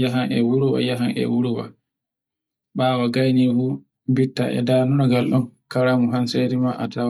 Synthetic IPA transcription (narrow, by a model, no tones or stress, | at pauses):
jaɦanɛwuɾuwa̰jaɦanɛ̰wuɾuwa̰ | ɓaːwaɡajnifu | bitːa̰ʔɛ̰daːnunɔɡalɗɔnkaɾamuɦanseɾimaʔata